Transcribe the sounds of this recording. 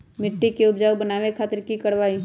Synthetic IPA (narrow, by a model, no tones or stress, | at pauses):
mɪʈːikeʊpd͡ʒaːwbənaːʋekʰaːt̪əɾkikɐɽʋaːi